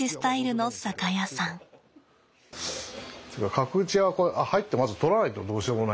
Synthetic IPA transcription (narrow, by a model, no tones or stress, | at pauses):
isɨ̥t̪aiɾɯ̟nosakajasãŋ | t̪ɯkakʰakɯ̟t͡ɕiakoeʔahait̪ːe̞mazɨt̪o̞ɾanait̪o̞d̪o̞ːɕiomona